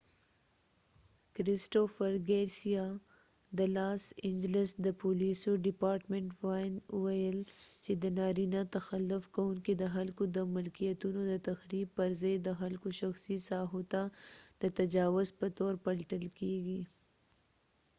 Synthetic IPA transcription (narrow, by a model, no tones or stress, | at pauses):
kɾɪsʈofəɾɡeɾsija | d̪əlɑsɪɲd͡ʒlɪsd̪əpolisoɖɪpɑːɾʈmeɳʈwajnʊwajəlt͡ʃed̪ənɑɾinat̪axalːʊfkawuŋkid̪əɦalkod̪əmʊlkijat̪unod̪ət̪axɾib̚pəɾzajd̪əxalkoʃaxsisɑɦot̪ad̪̥ət̪ad͡ʒɑːwʊzpət̪oɾpɐlʈəlkeɡi